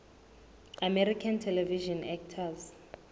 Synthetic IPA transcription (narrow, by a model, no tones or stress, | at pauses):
amɛɾikʰantʰɛlɛviʒɔnɛk̚tʰaz